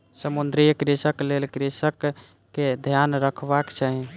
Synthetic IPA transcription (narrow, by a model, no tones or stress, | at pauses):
səmund̪ɾijəkɾisəklelkɾisəkː | ed̪ʱjanɾəkʰbakt͡ʃʰaɦĩ